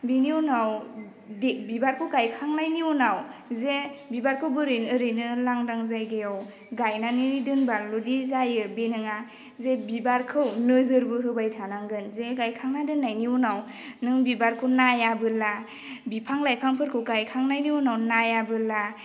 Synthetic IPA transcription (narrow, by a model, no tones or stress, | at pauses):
biniunaw | debibaɾkʰɯwɡajkʰaŋnajniunawzebibaɾkʰɯwbɯɾɯjnɯɾɯjnɯlaŋdaŋzajɡejaw | ɡajnaniɾidɯnbaludizajɯbenɯŋa | zebibaɾkʰɯwnɯzɯɾbɯɦɯbajtʰanaŋɡɯnzeɡajkʰaŋnadɯnajniunaw | nɯŋbibaɾkʰɯwnajabɯla | bipʰaŋlajpʰaŋpʰɯɾkʰɯwɡajkʰaŋnajniunawnajabɯla